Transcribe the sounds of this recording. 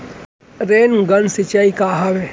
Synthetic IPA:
ɾenɡənsɪt͡ʃaikaɦaʋe

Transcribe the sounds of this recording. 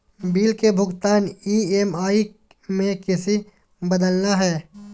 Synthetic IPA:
biːlkebʱʊɡt̪aːniːemaːi | mẽkɪsi | bɐd̪əlnaɦɛː

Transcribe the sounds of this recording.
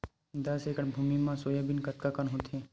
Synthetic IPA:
d̪ɐsekəʈbʱuːmimãsojabinkɐt̪̚kakənɦʊt̪ʰẽ

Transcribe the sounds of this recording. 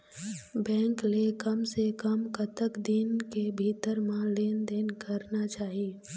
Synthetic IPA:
bɛ̃ːŋklekəmsekəmkət̪əkd̪ɪnkebʱiːt̪əɾmãleːnd̪eːnkəɾnat͡ʃaːɦieː

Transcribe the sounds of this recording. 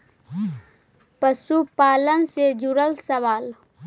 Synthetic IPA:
pəsupaːlənsed͡ʒuɾəlsəʋaːl

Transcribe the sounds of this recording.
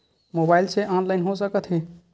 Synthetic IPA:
mobaːɪlseʔaːnlaɪnɦos̬əkət̪ɦɛ̃

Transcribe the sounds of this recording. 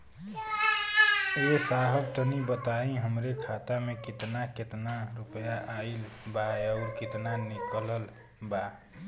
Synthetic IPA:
esaɦəbt̪ənibət̪aĩɦəmɾekʰat̪amekit̪naket̪naɾupəjaʔailbaəʊɾkit̪nanikələl | ba

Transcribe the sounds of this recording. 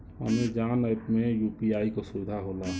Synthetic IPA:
ə̰med͡ʒaːnəp̪mẽjuːpiaːikosʊʋɪd̪ʱaɦoːla

